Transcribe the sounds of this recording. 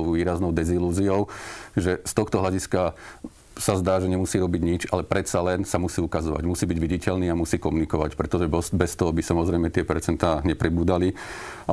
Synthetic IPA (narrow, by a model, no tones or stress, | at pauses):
ʊʋiːɾaznɔʊd̪ɛziluːziɔʊʒɛst̪ɔxt̪ɔɦlaɟiska | sazd̪aːʒɛɲɛmusiːɾɔbiɟɲit͡ʃalɛpɾɛt̪salɛnsamusiːukazɔʋa̰ɟmusiːbiɟʋiɟicɛʎniːamusiːkɔmunikɔʋacpɾɛt̪ɔʒɛbɔsbɛst̪ɔɦɔbisamɔzɾɛjmɛt̪ɪɛpɛɾt͡sɛnt̪aːɲɛpɾibuːd̪ali